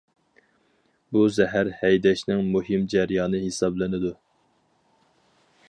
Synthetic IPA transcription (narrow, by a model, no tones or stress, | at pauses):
buzɛɦæɾhɛjd̪ɛʃnɪŋmuɦɪmd͡ʒɛɾjɑːnɨɦesɑblˠɨnɪd̪u